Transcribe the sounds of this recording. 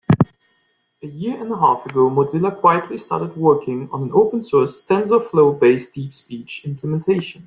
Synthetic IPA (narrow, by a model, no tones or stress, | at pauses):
əjɪɹɨ̃ndəɦafəɡoʊmozɪləkʰw̥aɪətʰˡlistɑ̰ɹɾəd̚wɜ˞kʰɪ̃ŋə̰̃nə̃noʊpə̃nsɔɹsθɛ̃nzəfloʊbeɪsd̥idspit͡ʃɪ̃mpʰləmɛ̃ntʰeɪʃə̃n